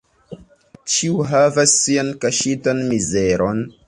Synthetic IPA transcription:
t͡ʃiuɦavasːiankaʃitanmizeɾon

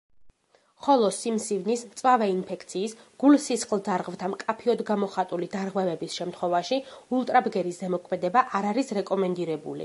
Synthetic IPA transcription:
χɔlˠɔsimsivnist̪sʼwavɛinpʰɛkʰʼt̪sʰiːsɡ̥ulsisχlˠd̪aɾʁvt̪ʰamkʼapʰiɔd̪ɡamɔχat̪ʼulid̪aɾʁwɛvɛbisʃɛmt̪ʰχwɔvaʃiulˠt̪ʼɾabɡɛɾisd̪ɛmɔkʰmɛd̪ɛbaʔaɾaɾisɾɛkʼɔmɛnd̪iɾɛbṵlḭ

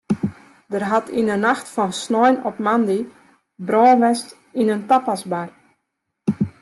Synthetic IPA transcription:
dərɦatinənaxtfɔnsnɔjnɔpmandi | brɔːnʋɛst | inəntapasbar

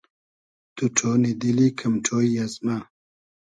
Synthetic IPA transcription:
t̪uʈ͡ʂʰonid̪ilikʰɐmʈ͡ʂʰoːjjazma

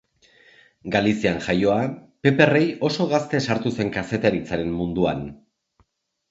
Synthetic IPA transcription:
ɡalisianʝajo̞ape̞pe̞re̞jo̞so̞ɣ̞ast̪e̞saɾt̪use̞ŋkase̞t̪eɾit͡saɾe̞mmund̪uan

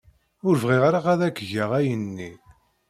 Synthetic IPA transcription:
ʊɾvʁiʁaɾaqæðækːʝaʁæjənːi

